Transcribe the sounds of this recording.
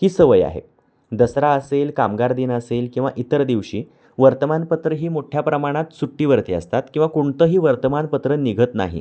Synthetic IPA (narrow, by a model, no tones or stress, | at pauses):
kiːsəʋəja̰ɦḛ | d̪əsɾaəselkamɡaɾd̪iːnəselkĩw̃ʋaʔit̪əɾd̪iʋɕiː | ʋəɾt̪əmanpət̪ɾəɦiːmoʈʰjapɾəmaɽ̃at̪suʈːiːʋəɾt̪iːə̰st̪at̪kĩw̃ʋakuɳt̪əːɦiːʋəɾt̪əmanpət̪ɾəniɡʱət̪na̰ɦḭ